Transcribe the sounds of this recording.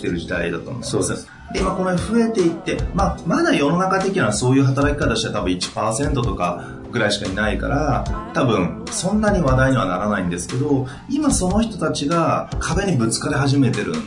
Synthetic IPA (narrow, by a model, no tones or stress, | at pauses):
t̪e̞ɾɯ̟ʑid̪aid̪a̰t̪o̰n̰s | d̪e̞imako̞noɸɯ̟e̞t̪e̞it̪ːe̞mamad̪ajo̞no̞nakat̪e̞kʲinaso̞ːjɯɦat̪aɾakʲi̥kat̪aɕiat̪abɯ̟̃it͡ɕi̥paːsẽ̞nt̪o̞t̪o̞ka | ɡ̥ɯ̟ɾaiɕi̥kaɲinaika̰ɾat̪abɯ̟̃ɴ | sõ̞nːaɲ̟iβad̪aiɲ̟iβanaɾanaĩnd̪e̞sɨ̥ke̞d̪o̞ | imaso̞no̞çʲi̥t̪o̞t̪at͡ɕiɡakʰabe̞ɲ̟ibɯ̟t͡sɨ̥kad̪e̞ɦaʑime̞t̪e̞ɾɯ̟̰̃